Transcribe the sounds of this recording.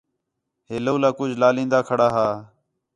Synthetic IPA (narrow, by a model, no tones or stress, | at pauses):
ɦeːloːlaːkʊd͡ʒʱlaːlĩːnd̪aːkʰəɽaːɦaː